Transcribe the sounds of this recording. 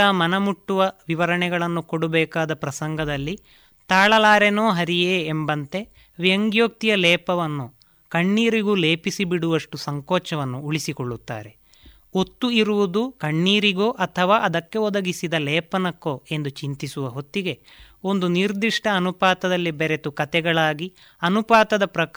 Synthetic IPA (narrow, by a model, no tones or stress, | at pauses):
ɐːmɐnɐmuʈːuʋɐʋiʋɐɾɐɳɛɡɐɭɐnːukoɽubɛːkaːd̪ɐpɾɐsɐŋɡʱɐd̪ɐlːi | t̪aːɭɐlaːɾenoːɦɐɾijeːmbɐnt̪e̞ | ʋjɐŋɡjoːk̚t̪ijɐlɛːpɐʋɐnːu | kɐɳːiːɾiɡuleːpisibiɽuʋɐʂʈusɐŋkɔːt͡ʃɐʋɐnːuːɭisikoɭːut̪ːa̰ːɾe̞ | ot̪ːuiɾuʋud̪ukɐɳːiːɾiɡoːʔɐt̪ʰɐʋaːʔɐd̪ɐkːe̞ɔd̪ɐɡisid̪ɐlɛːpɐnɐkːoːe̞nd̪ut͡ʃint̪isuʋɐɦo̞t̪ːiɡe̞ | o̞nd̪uniɾd̪iʂʈɐːnupaːt̪ɐd̪ɐlːibeɾet̪ukɐt̪ɛɡɐɭaːɡi | ɐnupaːt̪ɐd̪ɐpɾɐk